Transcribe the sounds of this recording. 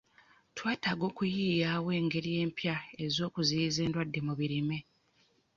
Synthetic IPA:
twaːtaɡo̞ːkujiːjaːwe̞ːŋɡe̞ɾije̞ːmpjae̞zo̞ːkuzijize̞ːndwadːe̞muβiɾime̞

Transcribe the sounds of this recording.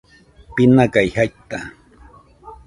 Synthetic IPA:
pɪnakajhajt̪a

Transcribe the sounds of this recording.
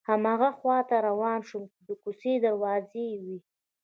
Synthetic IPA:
hamɑɣaxwɑt̪aɾawɑːnʃumd̪əkused̪aɾwɑzewi

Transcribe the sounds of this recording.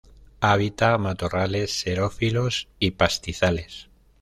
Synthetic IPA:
aβ̞it̪amat̪orale̞sːe̞ɾofilosipast̪iθale̞s

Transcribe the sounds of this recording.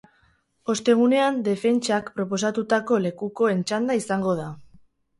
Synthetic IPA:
o̞st̪e̞ɣ̞une̞and̪e̞fe̞nt͡ʃakpɾo̞po̞s̬at̪ut̪ako̞le̞kuko̞e̞nt͡ʃand̪aisaŋɡo̞ð̞a

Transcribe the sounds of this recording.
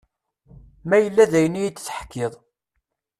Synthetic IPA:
mæjəlːæðæjənːijit͡s̪ːθə̥ħkːɪðˤ

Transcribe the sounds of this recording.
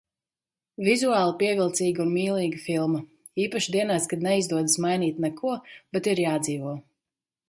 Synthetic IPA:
vizuaːlˠapiɛvʲilˠt̪siːɡunmiːlˠiːɡɨfilˠma | iːpaʃd̪iɛnaːst̪kad̪nɛizd̪uɔd̪ɨsmajniːt̪nɛkʰuɔb̥ɛt̪iɾjaːd̪ziːvuɔ

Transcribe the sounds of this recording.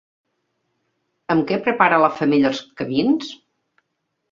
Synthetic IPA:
əmkɛpɾəpaɾələfəmiʎəlˠskəmins

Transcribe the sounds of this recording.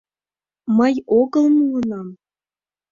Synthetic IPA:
məjoɣɤ̆lˠmulənɑm

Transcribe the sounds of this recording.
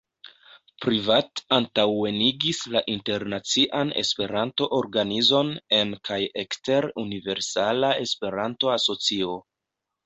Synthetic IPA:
pɾivatantawe̞niɡislaʔinte̞ɾnat͡siʔane̞̰spe̞ɾanto̞ʔoɾɡanizo̞ne̞nkʰajekste̞ɾunive̞ɾsalae̞spe̞ɾanto̞aso̞t͡sio̞

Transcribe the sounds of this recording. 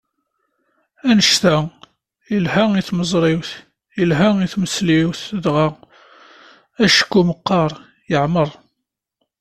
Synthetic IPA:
ænəʃt̪æ | ilhæiθməzˤɾˤiwθ | ilɦaiθməsliwθðʁa | æʃə̥kːuməqːɑɾˤ | jəʕməɾˤ

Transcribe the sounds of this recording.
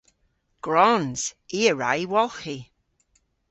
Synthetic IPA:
ɡ̥ɹɔnz̥iːəɹa̰jwɔlxi

